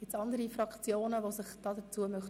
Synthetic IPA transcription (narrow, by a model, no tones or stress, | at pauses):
ɪtt͡sɑnd̪əɾifrɑkt͡sjoːnəʋosɪχd̥ɑːd̥ət͡suəmœχ